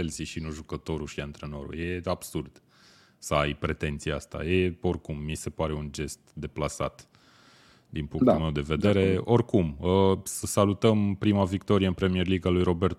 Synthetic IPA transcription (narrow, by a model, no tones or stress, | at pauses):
elsiʃinuʒukət̪o̞ɾuʃiant̪ɾe̞no̞̰ɾṵje̞ab̥surd̪̥ | səajpɾe̞t̪e̞nt̪sijea̰st̪a̰jeo̞rkumːise̞paɾe̞und͡ʒe̞st̪d̪e̞plasa̰t̪ | d̪inpuŋkt̪ulme̞wd̪e̞ve̞d̪e̞ɾe̞o̞rkuməsəsalut̪əmpɾimavikt̪o̞ɾieɨnpɾe̞mie̞rliɡalujɾo̞be̞rt̪o